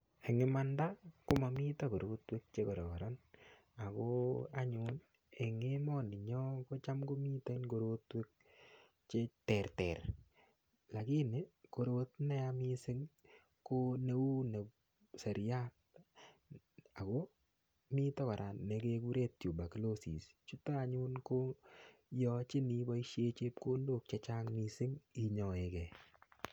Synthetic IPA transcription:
e˨ŋɪ˨ma˦nda˦kʊ˦ma˨mi˦ta˦ko˨ɾo˦twe˦k̚t͡ʃe˦kɔ˨ɾɔ˨kɔ˨ɾa˦n | a˨kɔa˦ɲun | e˨ŋe˦mɔ˦nɪ˨ɲɔ˦ko˦t͡ʃa˦mko˦miː˦ta˦i˦nɡo˨ɾo˦twe˦k̚ | t͡ʃetɛ˨ɾtɛɾ | la˨ki˦nɪ˨ko˨ɾot̪nɛ˦amisɪ˦ŋ | ko˦ne˦u˦ne˨ | sɛ˨ɾja˦t̚ | a˨ko˦ | mi˦tɔ˦ka˨ɾʔa˨ne˨ke˦ku˦ɾe˦t̚t͡ʃju˨ba˨klo˦sḭ˨st͡ʃu˦ta˦a˨ɲu˦nko˦jɔ˦t͡ʃɪ˦ni˨bɔ˦i˦ʃje˦t͡ʃe˦p̚ko˦ndo˦˨k̚t͡ʃe˦t͡ʃa˦ŋni˨sɪ˦ŋi˦ɲɔ˨e˨kɛ˨

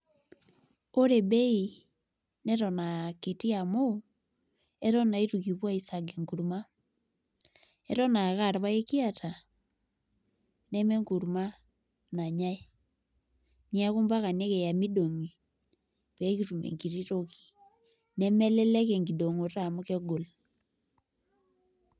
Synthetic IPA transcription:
o˦ɾe˨bɛ˦i | nɛɾɔ˨na˨ke˨ti˦a˨mo | ɛ˦ɾɔ˦na˨i˦tuki˨βwa˦isaɡeŋɡu˨ɾuma˦ | ɛɾɔ˦naɣa˦˨ɾa˨βa˦e˦ki˦a˦ta˨ | nɛ˦mɛ˦ŋɡu˨ɾuma˦ | na˨ɲa˦e˦ | ni˦a˦ku˦mba˦ka˨nɛ˦kɛ˨ja˨mi˦ɗo˨ŋi˨ | pɛ˦ki˨tu˨mɛ̰˨ŋi˨ɾi˦ɾo˦ki̥˨ | nɛ˦mɛ˦lɛ˦lɛ˦kɛ˨ŋɡi˨do˨ŋo˨ta˨mu˦kɛ˦ɡo˨l

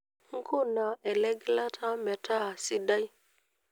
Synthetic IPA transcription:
ŋ̩˦kʰo˦˨na˨ɛ˨lɛ˦ɡla˦tʰa˦mɛ˨tʰa˦a˨si˦da˦i˦

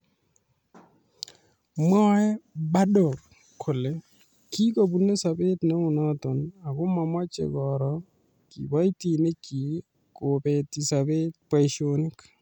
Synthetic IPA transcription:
mɔ˦ɛ˦ba˦dɔ˨kʰː | o˨le˦ | ki˦ko˨bu˨nːe˦sa˨be˦tnɛ˦ʊ˨nɔ˦tɔ˨na˨ɡʊ˦ma˨ma˦t͡ʃḛ˨ɡɔɾɔ | kḭ˨wa˦i˦ti˨ne˦ki˨ | ko˨pe˨ti˨sa˨be˦t̚pa˨ʃonɪ˦k

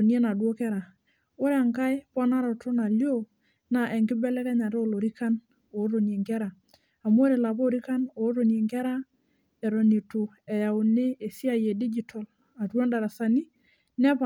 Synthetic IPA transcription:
o˨nje˦na˨dwo˦kɛ˦ɾa˨ | o˦ɾa˨ŋka˦jpɔ˦na˦ɾo˨to˦na˨ljo˦ | na˨ʔe˨ŋɡɪ˦bɛ˦lɛ˦kɛ˦ɲa˨ɾo˦˨lo˨ɾi˦ka˦n | o˨˦ɾo˨nje˨ŋɡɛ˦ɾa˨ | a˨m˦o˦ɾe˨la˨po˦˨ɾi˦ka˦no˨˦ɾo˨nje˨ŋɡɛ˦ɾa˦ | ɛ˨ɾo˨ni˨tu˨ | ɛ˨ja˨u˨ne˦e˨si˦a˨je˨di˦d͡ʒi˨tʰɔ˨l | a˨two˦nda˨ɾa˨sa˨ni˦ | nɛ˦pa˨

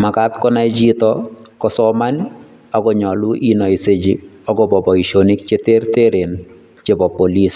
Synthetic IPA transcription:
ma˨ka˦t̪kɔ˦na˦ed͡ʒi˦tɔkɔ˨sɔma˦ni | ɔɡɔ˨ɲɔ˨lu˦ʔi˦nɔ˨i˨se˨d͡ʒi | ɔ˦ɡɔ˨bɔ˨bɔ˨i˨ʃo˨ni˦k̚t͡ʃe˦te˦rte˦ɾe˨n | t͡ʃe˦bɔ˨po˨li˦s

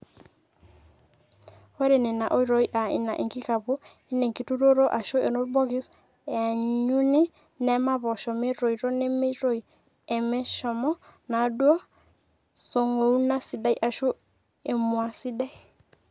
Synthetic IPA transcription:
wɛ˦ɾe˨ne˨na˨ʔo˦i˦ɾo˨i˦ʔa˨ḭ˨na̰˨ʔḛ˨ŋki˦ka˨βo˦ | i˦ne˨ŋki˨tu˦ɾo˦ɾo˦ʔa˨ʃo˦e˨no˦ɾbɔ˦ɣi˦s | ɛ˨a˨ɲu˦ne˦ | nɛ˦ma˦βɔ˨ʃɔ˨me˦ɾo˨i˨ɾo˦ne˦me˦ɾo˨i˨ | ɛ˨mɛ˦ʃɔ˨mɔ˦na˨dwɔ˦ | so˨ŋo˨u˦na˦si˨da˨˦i˦ʔa˨ʃo˦ | e˨mwa˨si˦da˦i˦˨

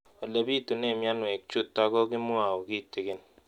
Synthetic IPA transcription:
ɔ˨le˦bi˦˨tu˨ne˦˨mja˦nwe˨k̚t͡ʃu˦tːa˦kɔ˦ki˦m˦a˨wki˦te˨ke˦n

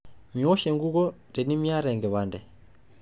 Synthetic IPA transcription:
miɔ˦ʃɛ˨ŋɡu˦kɔ˦tɛ˨ni˦mi˦a˦ɾɛ˨ŋɡɛ˨βandɛ

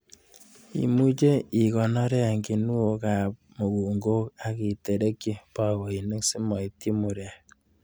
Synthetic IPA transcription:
ḭ˨mu˦t͡ʃe˦i˨kɔ˨nɔ˦ɾɛ˦a˨ŋɡi˨nu˦o˨ka˨p̚mo˨ku˨ŋɡo˦ka˨ki˨te˨ɾe˦kːi˦pa˦wo˨i˨ne˦ksi˦mɔ˨i˨ti˦mu˨ɾa˨

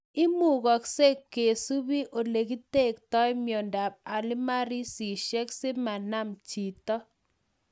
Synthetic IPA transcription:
ɪ˦mu˦˨ɣɔ˨kse˦kːe˨su˦bi˦ʔo˨le˨ki˦te˦˨k̚tɔ˦ɪ˦mjɔ˨nda˨b̚a˨lɪ˦ma˦ɾi˦si˨ʃe˦kse˦ma˨na˦mt͡ʃi˨tɔ˦

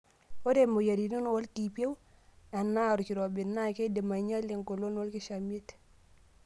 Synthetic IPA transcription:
wo˦de˨mo˨ja˨ɾi˨no˦nwɔ˦lki˨pi˦e˦wa˨nːa˦˨ɾu˨ki˨ɾo˨bi˨nːa˦ke˦de˨ma˨ɲa˦le˨ŋko˨lo˦nwɔ˦lki˦ʃa˨mi˦e˦t

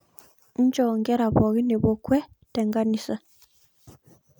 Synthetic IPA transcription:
n̩˦d͡ʒɔ˨ŋɡɛ˦ɾa˨βɔ˨ɣi˦ne˨βɔ˨kwɛ˦ | tɛ˨ŋɡa˦ni˦sa˨

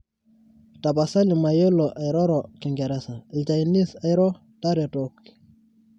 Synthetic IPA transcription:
ta˨pa˨sa˦li˨ma˨je˦lɔ˨ʔa˨jɾɔ˦ɾɔ˨kɪ˨ŋɡɛ˨ɾɛ˦sa˨lt͡ʃa˨ini˦sa˨jɾɔ˦ | ta˦ɾe˨tokː

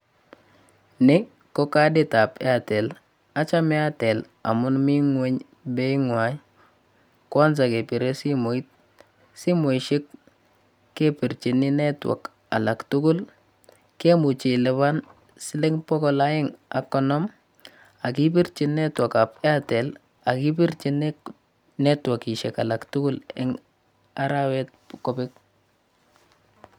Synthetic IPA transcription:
nɪ˦ | kːɔ˦ka˦dɪ˦ta˨pɛ˦a˨tɛ˨l | a˦t͡ʃa˦mɛ˦a˦tɛ˨l | a̰˨mʊ˦nmi˦ŋwe˦ɲ | be˦i˦ŋwa˨j | kwa˦ns̬a˨ke˨pi˨ɾe˦si˦mo˨i˦t̚ | si˦mo˨i˨ʃɪ˦k | kːe˦pi˨ɾt͡ʃi˨nɪ˦nɛ˦twa̰˨k | a̰˨la˨ktu˦ku˦l | ke˦mu˨t͡ʃi˨lɛ˨βa˦n | si˦le˦ŋpɔ˦kɔ˨la˦jɪ˦ŋa˨kːɔ˨nɔ˦m | a˨kip̬i˦ɾt͡ʃi˨nːɛ˦two˨kapa˦tɛ˨l | a˨ki˦pi˦ɾt͡ʃin | nɛ˦twa˨ki˨ʃɛ˨ka˨la˨ktu˦ɡu˦lɛ̰ŋ | a˦ɾa˦wɛ˦t̚kɔbɪk̚

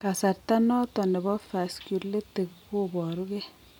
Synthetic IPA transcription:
ka˨sa˨ɾta˦nɔ˦tɔ˨nɛ˨bɔ˦fa˨skju˨le˦te˨kko˦bɔ˨ɾu˦kɛ˦

